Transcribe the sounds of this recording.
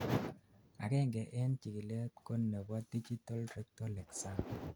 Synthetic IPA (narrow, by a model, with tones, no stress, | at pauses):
a̰˨kɛ˦ŋɡɛ˨ʔɛ˦nt͡ʃi˨ki˨le˦ko˦nːe˨ba˦di˦d͡ʒi˦ta˦ldɾɛ˦k̚tɔ˦lɛ˨ksa˦n